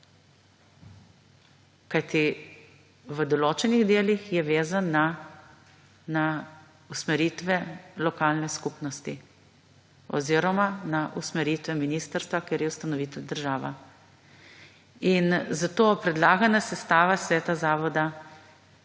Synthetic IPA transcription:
kajt̪i | ʋəd̪ɔloːt͡ʃɛniɣd̪eːlixjɛʋeːzanːa | na | usmɛɾit̪ʋɛlɔkaːlnɛskupnɔst̪i | ɔ̰ziɾɔmanaʔusmɛɾiːt̪ʋɛminiːst̪əɾst̪ʋakeːɾjɛust̪anɔʋiːt̪ɛwd̪əɾʒaːʋa̰ | inzat̪oːpɾɛd̪laːɡanasɛst̪aːʋasʋɛːt̪azaːʋɔd̪a

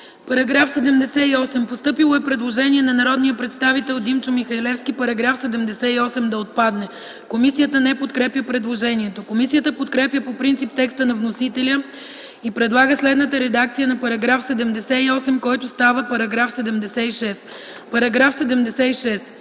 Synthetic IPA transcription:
pɐɾɐɡɾafsɛd̪ɛmd̪ɛsɛiɔsɛmpost̪ɤpilˠoɛpɾɛd̪lˠoʒɛniɛnɐnɐɾɔd̪nijəpɾɛt̪st̪avit̪ɛlˠd̪imt͡ʃomixɐilɛfskipɐɾɐɡɾafsɛd̪ɛmd̪ɛsɛiɔsɛmd̪ɐot̪̚pad̪nɛ | komisijət̪ənɛpot̪kɾɛpjəpɾɛd̪lˠoʒɛniɛt̪okomisijət̪əpot̪kɾɛpjəpopɾint̪sip̚t̪ɛkst̪ənɐvnosit̪ɛlʲə | ipɾɛd̪lˠaɡəslɛd̪nət̪əɾɛd̪akt̪sijənɐpɐɾɐɡɾafsɛd̪ɛmd̪ɛsɛiɔsɛmkɔjt̪ʊst̪avəpɐɾɐɡɾafsɛd̪ɛmd̪ɛsɛiʃɛs | pɐɾɐɡɾafsɛd̪ɛmd̪ɛsɛiʃɛs

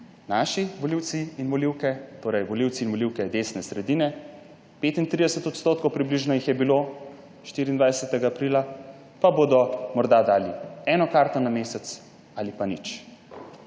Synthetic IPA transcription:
naːʃiʋɔliwt̪siinʋɔliwkɛt̪oːɾɛjʋɔliwt̪siːnʋɔliwkɛd̪esnɛsɾɛd̪iːnɛ | peːt̪int̪ɾid̪ɛsɛt̪ɔt̪st̪oːt̪̚kowpɾibliʒnɔjixjɛbilo | ʃt̪iɾiːnd̪ʋajɛsɛt̪ɛɡaːpɾiːla | pabod̪ɔmɔɾd̪ad̪aːliɛnɔkaɾt̪ɔnameːsɛt̪s | alipanḭt͡ʃ

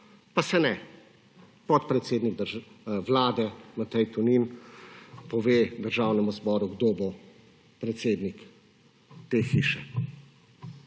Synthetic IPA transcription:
pasɛnɛ | pɔt̪̚pɾɛt̪seːd̪niɡ̚d̪əɾʒʋlaːd̪ɛmɐt̪ɛjt̪unin | pɔʋeːd̪əɾʒaːwnɛmuzbɔːɾuɡd̪oːbo | pɾɛt̪seːd̪nik | t̪eːxiːʃɛ

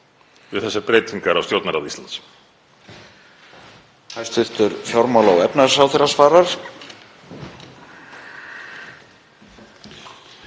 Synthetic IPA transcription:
vɪθɛsːapɾeːjt̪iŋkaɾawst̪jowt̪naɾaðist̪la̰nt̪s | hajst̪vʏht̪ʏɾfjɔɾmawlawɛpnasawθeɾasvaːɾaɾ̥

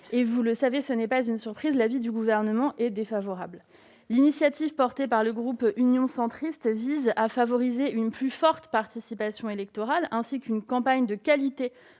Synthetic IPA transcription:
evuləsavesənɛpazynsyʁpχizlavid̪yɡuvɛʁnəmɑ̃ʔɛd̪efavɔʁabl | linisjat̪ivpɔʁt̪epaʁləɡʁupynjɔ̃sɑ̃t̪χist̪vizafavɔʁizeynplyfɔʁt̪paʁt̪isipasjɔ̃elɛk̚t̪ɔʁalɛ̃sikynkɑ̃paɲd̪əkʲalit̪e

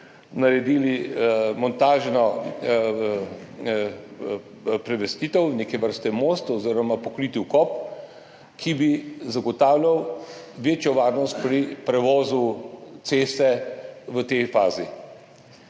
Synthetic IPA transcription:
naɾɛd̪iːlimɔnt̪aːʒnɔ | pɾɛʋɛst̪iːt̪ɛwneːkɛʋəɾst̪ɛmoːst̪ɔziːɾɔmapɔkɾit̪iwkɔp | kʰibizaɡɔt̪aːwlʲjaw | ʋeːt͡ʃjɔʋaːɾnɔst̪̚pɾipɾɛʋɔːzut̪seːst̪ɛʋət̪ejfaːzi

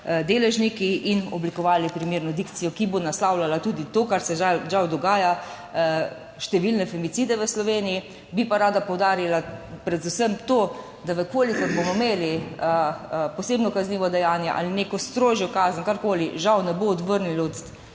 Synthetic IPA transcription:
d̪eːlɛʒnikiʔinɔblikɔʋaːlipɾimeːɾnɔd̪ikt̪sijɔkibonaslaːwlalat̪uːd̪it̪oːkaɾsɛaʒawd̪ɔɡaːja | ʃt̪ɛʋilnɛfɛmit̪sid̪ɛʋəslɔʋeːniji | bipaɾaːd̪apɔwd̪aːɾilapɾɛd̪usəmt̪oː | d̪aʋəkoːlikɔɾbomɔmeːliəposeːbnɔkazniːʋɔd̪ɛjaːnjɛʔa̰linekɔst̪ɾoːʒjɔkaːzənkaɾkoːliʒawnɛboːd̪ʋəɾnilɔt̪

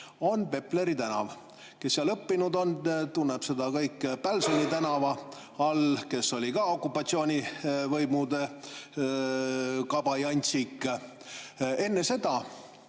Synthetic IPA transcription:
o̞npe̞ple̞ɾit̪ænɑ̰v | ke̞sːiɑlɤpːinud̪o̞nt̪unːepse̞d̪̥ɑkɤjkːpælsonʲit̪ænɑvɑ | ɑlke̞sːo̞lʲikɑo̞kːˑupːˑɑt̪sio̞ːnʲivɤjmud̪e̞ | kɑb̥ɑjɑnʲt̪sikˑː | e̞nːe̞se̞d̪̥ɑ

